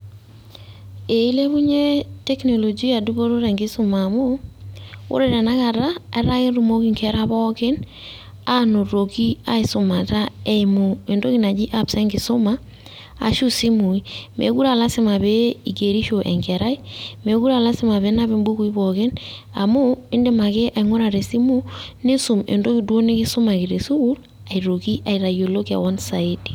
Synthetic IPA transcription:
e˨i˦le˦βu˦ɲe˦tɛ˦kno˨lo˨d͡ʒi˦a˨du˦βo˦ɾo˦ɾɛ˨ŋɡɪ˦so˦ma˨mo˦ | o̰˦ɾe˨ɾa˨na˦ka˨ɾa˦ɛ˦ɾa˦ke˦nɾu˦mo˦ki˨ŋkʰɛ˦ɾa˦βɔ˦ke˦n | a˦no˨ɾo˨ki˦a̰˦i˨so˨ma˨ta˦ɛ˦i˨mo˨e˨ndo˦ki˦na˨d͡ʒi˦ʔa˦psa˦ŋɡɪ˨so˦ma̰ː˦˨ | ʃu˦si˦mu˨i˦mʔḛ˨ku˦ɾa˨la˦sɪ˦ma˨be˦i˨ke˨ɾi˦ʃo˨ʔɛ̰˨ŋkɛ˨ɾa˦i˦me˨ku˦ɾa˨la˦sɪ˦ma˨βe˨˦na˦βe˦mbu˦ku˨i˦bɔ˨ke˦na˨mo˦ɪ˦nde˦ma˨ke˦ʔa˨i˨ŋo˦ɾa˨ɾe˨si˦mu˦ne˦su˨mḛ˨ndo˦ki˨dwo˦ne˦kɪ˦so˦ma˨ki˨ɾe˨su˦ku˦l | a˨i˨ɾo˨ki˦ʔa˨i˨ɾa˨jo˨lo˦ka̰˨wɔ˦nsa˨i˦ti̥˨

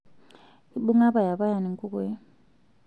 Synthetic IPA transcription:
i˨ɓu˦ŋa˦ba˨ja˨βa˦ja˨ni˨ŋ˦kʼu˦kɛ˦

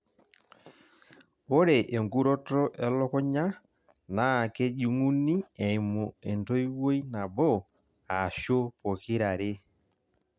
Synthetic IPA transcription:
o˦ɾe˨ʔe˨ŋɡu˦ɾɔ˦tɔ˦ʔɛ˦lɔ˦kɔ˦ɲa˦ | na˦˨ke˦ʄu˦ŋu˦ni˦ɛ˨i˨mo˨e˨ndo˦i˦wo˦i˦na˨bɔ˦˨ | a˨ʃo˦po˨kɪ˦ɾa˨ɾe˦

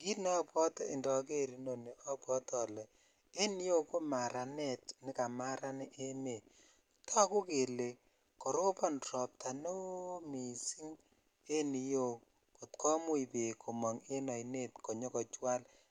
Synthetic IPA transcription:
ki˦nɔ˦pɔ˦ti˨ndɔ˨ke˦ɾi˨no˨ne˨ʔɔ˦pwɔ˦tɔ˨lɛ˨ | e˦ni˦jo˦ko˦ma˨ɾa˨ne˨tnɪ˦ka˨ma˦ɾa˦ni˦ʔe˦me˨ | tʰɔ˦kʊ˦ke˨le˨ | ko˨ɾo˦pa˦nrɔ˨p̚ta˨no˦mi˨si˦ŋ | e˦ni˨jo˦ | ko˨tkɔ˦mu˦i˨pe˨kʰo˨mɔ˨ŋe˦nɔ˨jne˦t̚kɔ˨ɲɔ˦kɔ˨t͡ʃwa˦l

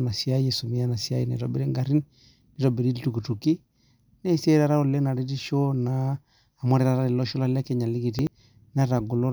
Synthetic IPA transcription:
na˨si˨a˦je˨su˨mi˨ja˦na˨si˨a˦ji˦na̰˨ɾɔ˨be˦ɾi˦ŋɡa˨ɾi˦n | di˦ɾɔ˨be˨ɾi˦i˦tu˨ku˨tu˨ki˦ | nɛ˦˨se˦ɾa˦ɾa˦ɔ˨le˦na˨ɾi˦ti˦ʃo˦naː˨˦˨ | mɔ˦ɾi˦ɾa˨ɾa˦di˨lɔ˦ʃɔ˦la˦lɛ˦kɛ˦ɲa˨li˦ɡi˨ti˦ | na˦ɾa˨ɡu˨lɔ˦

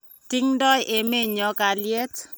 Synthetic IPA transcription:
ti˦ŋdɔ˦jʔe˨me˦ɲɔ˨˦ka˨lje˦t

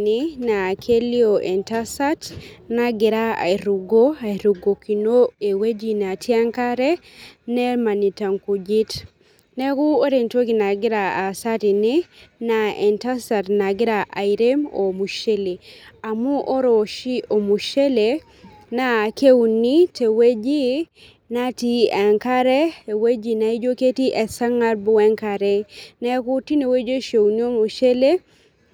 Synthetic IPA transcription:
nina˨kʰe˦li˦oʔɛ˨ntasatnaɡɪ˨ɾaa̰˨ɾuɡo˦a˨ɾu˨ɡo˨ki˨no˦e˨we˦d͡ʒi˨na˨tʰja˦ŋka˦ɾɛ˦ | nɛ˦ma˨ni˨ta˨ŋku˨d͡ʒi˦t | nɛ˦ku˦o˦ɾe˨nto˦ki˨na˨ɡɪ˦ɾaa˨sati˨ni˦naɛ˨nta˦satna˨ɡɪ˦ɾaʔa˨iɾemo˨mu˨ʃe˦le˨a˨mu˦ʔɔ˦ɾo˨ʃi˦o˨mu˨ʃe˦le˨ | na˦˨ke˦wni˦te˨we˦d͡ʒi˦ | na˦ti˦ɛ˨ŋka˦ɾɛ˦e˨we˦d͡ʒi˨na˨i˦d͡ʒo˦ke˦ti˦ʔɛ˨sa˦ŋa˦ɾbu˦ɛ˦ŋka˨ɾɛ˦nɛ˦ku˦ti˦ne˨we˦d͡ʒe˦ʃe˨wni˦o˦mu˨ʃe˦le˦

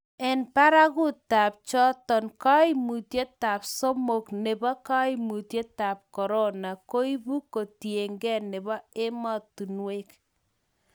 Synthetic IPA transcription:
ɛ˨npa˦ɾa˦kʊ˦ta˨p̚t͡ʃɔ˦tɔ˨nka˦i˦mu˨tje˦ta˨pso˦mo˨kne˨bɔ˦ka˦i˦mu˨tje˦ta˨p̚kɔ˨ɾo˦na˨ko˦i˦bu˦ko˨tje˨ŋɡɛ˦˨ne˨βɔ˦e˦mɔ˦tu˨nwe˦k

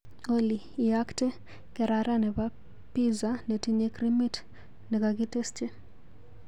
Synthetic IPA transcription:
oliː˨akte˦ | kɛɾaɾa˦nɛ˨ba | pizanɛ˨tiɲe˦kɾimi˦t | nɛ˨kaɡi˦te˦st͡ʃe˦

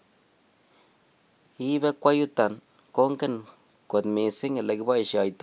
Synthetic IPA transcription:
i˦be˦kʷa˦ju˦t̪a˨n | ko˦ŋke˦n | ko˨t̪mi˨si˦ŋe˨la˨ki˦ba˦i˨ʃa˨jt̪

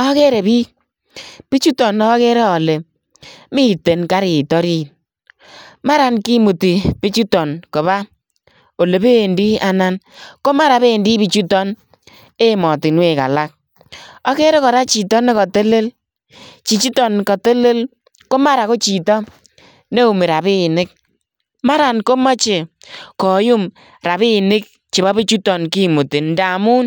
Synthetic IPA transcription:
ɔ˦ke˦ɾe˨bi˦k̚ | pi˦t͡ʃu˦tɔ˨nː˨˦ke˦ɾɛ˦ɔ˨le˨ | mi˦˨te˨nka˦ɾi˨tɔ˦ɾi˦˨ | ma˦ɾa˦nki˦mu˨ti˨pi˦t͡ʃu˦tɔ˨nkɔ˨βa˦ | o˨le˨be˦˨ndi˦a˨na˦nko˦ma˦ɾa˨βe˦˨ndi˦pi˨t͡ʃu˦tɔ˦n | e˦˨mɔ˨tɪ˨nwe˨ka̰˨la˦k̚ | ɔ˦ke˦ɾe˦kɔ˨ɾa˦t͡ʃi˨tɔ˦ne˦kɔ˨te˦le˦l | t͡ʃi˨t͡ʃi˦tɔ˨nkɔ˨te˦le˦l | ko˦ma˦ɾa˨ko˦t͡ʃi˨tɔ˦ | ne˦u˨mɪ˨ɾa˨βɪ˦˨nɪ˦k̚ | ma˦ɾa˨nko˦ma˦t͡ʃe˨ | kɔ˨ju˦m | ɾa˨βɪ˦˨nɪ˦k̚ | t͡ʃi˨ba˦bi˦t͡ʃu˦tɔ˨nki˦˨mu˨tɪ˨n˦da˨mu˦n

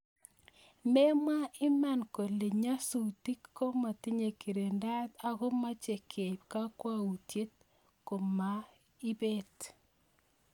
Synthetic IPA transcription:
me˦mwa˦ɪ˦ma˦˨nko˨le˨ɲa˦su˨ti˦kːo˦ma˨ti˦ɲe˨ki˨ɾe˨nda˦ta˦ɣo˦ma˦t͡ʃe˨kʰe˨p̚ka˦kwa˦u˨tje˦t̚ | ko˨ma˦ | i˦be˦t

